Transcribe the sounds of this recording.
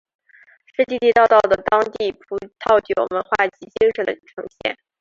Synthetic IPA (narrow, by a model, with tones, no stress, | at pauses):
ʂɻ̩˥˧t̪i˥˧t̪i˥˧t̪ɑ˥˧ʊt̪ɑ˥˩ʊd̪ə˩t̪ɑ˥ŋt̪i˥˩pʰu˧˥t̪ʰɑ˥˩ʊt͡ɕjo˨˩ʊmə˧˥nxwa˥˩t͡ɕi˧˥t͡ɕi˥ŋʂə˧˥d̪ə̰˧ʈ͡ʂʰɤ˧˥ŋɕjɛ̰˥˩n